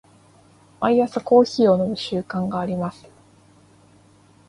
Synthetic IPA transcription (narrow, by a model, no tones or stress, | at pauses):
maiasako̞ːçiːo̞no̞bɯ̟ɕɨːkãŋɡaːɾʲimasɨ̥